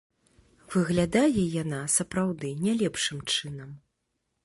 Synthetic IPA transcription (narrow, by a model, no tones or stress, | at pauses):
vɨɣlʲad̪ajɛjan̪asɐpɾawd̪ɨnʲalʲɛpʂɨmt͡ʂɨnɐm